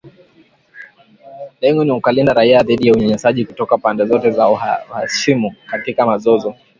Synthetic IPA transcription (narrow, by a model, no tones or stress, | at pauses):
lɛŋɡɔniukalindaɾaiaðiɗijauɲaɲasaʄikutɔkapandɛzɔtɛzauhaʃimukatikamazɔzɔ